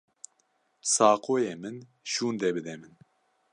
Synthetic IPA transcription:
sɑːqʰoːjeːmɨn | ʃuːnd̪ɛbɨd̪ɛmɨn

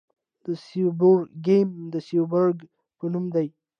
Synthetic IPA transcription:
d̪̥əsibəɾɡemd̪əsiwbəɾɡ | pənumd̪aj

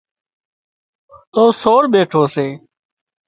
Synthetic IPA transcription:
oːsoːɾɓeːʈʰoːseː

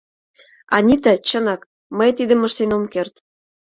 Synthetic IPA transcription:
ɑ̰nʲit̪æ̆t͡ɕənɑk | məjt̪id̪ə̆mə̆ʃt̪enomkert̪

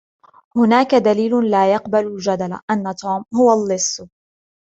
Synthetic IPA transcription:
hʊnaːkad̪aliːlʊlaːjɑqbalʊd͡ʒad̪ala̰ʔanːat̪ʰoːmhʊwalːɪsː

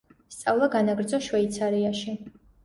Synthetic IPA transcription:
st̪sʼavlˠaɡanaɡɾd̪zɔʃwɛit̪sʰaɾiaʃi

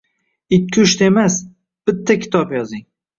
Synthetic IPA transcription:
ɪkʲʰːɪʊʃt̪e̞mas | b̥ɪt̪ʰːakʲʰɪ̥t̪ʰɒpjɒzɪŋ

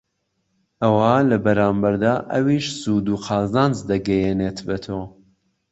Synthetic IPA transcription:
ɐwaːlɐbɐɾaːmbɐɾd̪aːʔɐ̰wiʃzuːd̪uːqʰaːzaːnzd̪ɐɡɛjenet̪ʰbet̪ʰoː

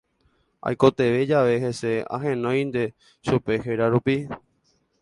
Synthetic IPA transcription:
a̰jko̞t̪e̞ʋe̞d͡ʒaʋe̞ɦe̞se̞a̰ɦẽnõ̞j̃nd̪e̞ | ʃupe̞ɦeɾaɾupi

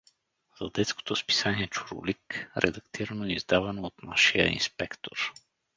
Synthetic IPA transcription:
zɐd̪ɛt̪sko̥t̪ospi̥saniɛt͡ʃuɾo̰likɾʔɛ̰d̪ɐkt̪ʰiɾənoɛizd̪avɐnoot̪naʃijə̰ḭnspɛkt̪ʰo̰ɾ

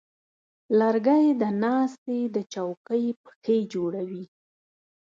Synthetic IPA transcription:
laɾɡajd̪ənɑst̪ed̪ət͡ʃawkəjpə̥xed͡ʒoɽawi

